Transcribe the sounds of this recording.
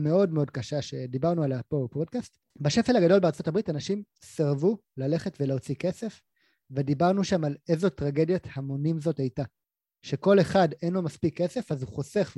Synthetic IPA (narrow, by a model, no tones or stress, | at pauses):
meo̞dmeo̞d̚kaʃaʃe̞dibaʁnualapopod̚kast | baʃefelaɡado̞lbe̞aʁt͡so̞tabʁitanaʃim | seʁvu | lale̞χe̞tve̞leot͡sike̞se̞f | vedibaʁnuʃamalezo̞tʁaɡe̞djathamonimzo̞tajta | ʃe̞ko̞le̞χadenlo̞maspikʰːe̞se̞fazuχose̞χ